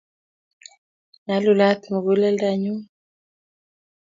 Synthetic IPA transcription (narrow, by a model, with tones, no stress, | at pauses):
na˨˦lu˨la˦t̪mu˨ɣu˦lɛ˦lda˦˨ɲu˦